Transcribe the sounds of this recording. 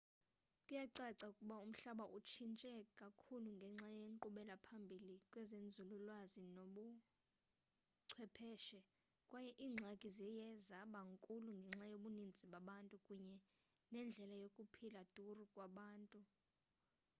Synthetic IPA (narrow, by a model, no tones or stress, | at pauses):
kʼujaǀaǀaukʼuɓaum̩ɬaɓaʔut͡ʃʰint͡ʃʼɛkʼakʰuluŋɡʱɛŋ͡ǁajeŋǃuɓɛlapʰambʱilikʼwɛzend͡zʱululwazinoɓu | ǀʰwɛpʰɛːʃɛ | kʼwajɛʔiːŋ͡ǀʱaɡ̥ʱizɛjɛzaɓaŋkʼuluŋɡʱɛŋ͡ǁajoɓunind͡zʱiɓaɓantʼukʼuɲɛ | nɛnd͡ɮʱɛlajokʼupʰilad̥ʱurukʼwaɓaːntʼu